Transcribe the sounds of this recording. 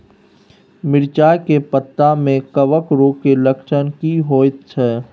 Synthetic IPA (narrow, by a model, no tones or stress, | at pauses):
mɪɾt͡ʃaːjkepət̪ːãmẽkəʋəkɾoːkeləkʃənkiɦoːt̪t͡ʃʰɛː